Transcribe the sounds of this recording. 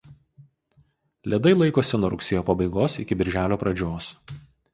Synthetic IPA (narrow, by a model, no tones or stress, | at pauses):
lʲɛd̪ɐɪlˠɐɪkoːsʲɪnuɔɾʊksʲejoːpɐbɐɪɡoːsɪkʲɪbʲɪɾʲʒʲæːlʲoːpɾɐd͡ʒʲoːs